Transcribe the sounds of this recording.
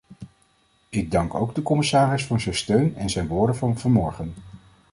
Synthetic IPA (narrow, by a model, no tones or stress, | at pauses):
ɪɡ̚dɑŋko̰wɡdəkɔmɪsaːrɪsfʊːɹzɛjnstøɥnɛnzɛjnʋʊːɹdənvɑnvɑnmɔɹχən